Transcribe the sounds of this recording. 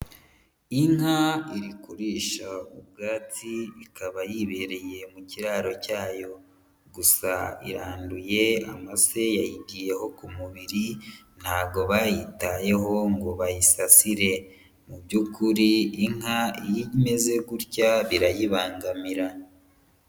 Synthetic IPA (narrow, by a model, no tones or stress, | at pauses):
iŋɦaiɾikuɾiːʃaub̚ɡaːtiːkaβajiβe̞ɾe̞je̞muciɾaːɾo̞caːjo̞ | ɡusaḭɾaːnduje̞a̰mase̞jajibɡije̞ho̞kumuβiɾi | n̥haːbɡo̞βajitaje̞ɦo̞ŋɡoβajisasiɾe̞ | mubɟukʰuɾiiŋhaijime̞ze̞ɡuɾcaβiɾajiβaːŋɡamiɾa